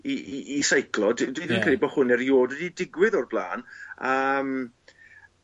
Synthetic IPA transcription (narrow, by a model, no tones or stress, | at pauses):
iːsajklˠɔddwiðənnkʰɛlˠibɔhʊnɛɾjoːdwɛdidɪɡwɪðɔrb̥lˠa̰ːnəm